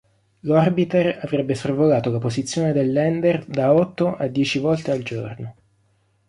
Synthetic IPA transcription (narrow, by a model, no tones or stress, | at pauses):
lɔrbit̪eravɾɛbːesorvolaːt̪olapozit̪sːjoːned̪elːɛnd̪erd̪aɔt̪ːoʔad̪ːjɛːt͡ʃivɔlt̪eald͡ʒo̰rno